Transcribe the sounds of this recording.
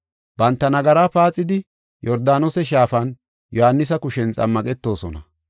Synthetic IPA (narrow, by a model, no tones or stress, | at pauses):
b̥ɐnt̪ːɐnɐɡɐɾaːpaːt͡sʼːɪd̪ɪ | jɔɾd̪aːnosɛʃ̬aːfɐn | jɔhɐnːɪs̬ɐkʊʃɛnt͡sʼɐ̰mːɐkʼɛt̪ːo̞ːsɔnɐ